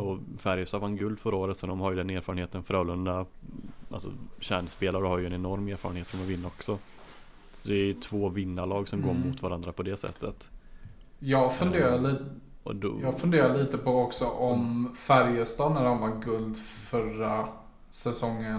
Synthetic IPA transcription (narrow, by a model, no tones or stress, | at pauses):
ɔfæɾjəst̪ɑːvanɡɵld̪fœɾaoːɾət̪sɔd̪ɔmhaɾjəd̪ɛneːɾfɑɾənheːt̪ənfœɾɑːlɵnd̪aʔa̰lsɔ̰ɕæːɳspeːlaɾəhaɾjɵɛnɛnɔɾmeːɾfɑːɾənheːt̪ʃɔmavɪnːaɔksɔ | sɔd̪ɛæɾjɵt̪ʰvoːvɪnːaɭɑːɡsɔmɡoːɾmʊt̪vaɾand̪ɾapʰɔd̪ɛsɛ̰t̪ʰːət̪ | jɑːɡfɵnd̪eːɾaliː | ɔ̰d̪jɑːɡfɵnd̪eːɾaliːt̪əpɔɔksɔʔɔmfæɾjəst̪ɑːnæɖɔmvaɡɵld̪fœɾa | sɛsɔŋːə